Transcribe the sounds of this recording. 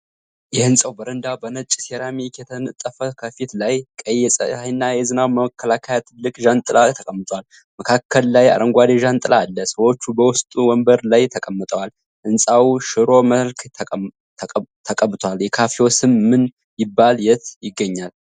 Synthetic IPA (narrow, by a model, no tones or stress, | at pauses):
jɛhɨnsʼəwbəɾənd̪abənət͡ʃʼseɾamikʰɛt̪ʰənɨt̪ʼːəfəkʰəfit̪lajkʼəjɛsʼə̰ajnːajɛzɨnawməkʰːəlakʰəjat̪ʰɨlːɨkʼʒant̪ʼɨlat̪ʰəkʼəmːət̪ʼwal | məkʰakʰːəlːaja̰ɾəŋɡʷad̪eʒant̪ʼɨlaːlːəsəwo̞t͡ʃːubəwʊst̪ʼuwɔmbəɾlajt̪ʰəkʼəmːət̪ʼəwal | hɨnsʼawʃɨɾo̞məlk̪ʰʼ | t̪ʰəkʼəbɨt̪ʰwaljɛkʰafewosɨmːɨn | jɪbːaljɛt̪jɪɡːəɲːal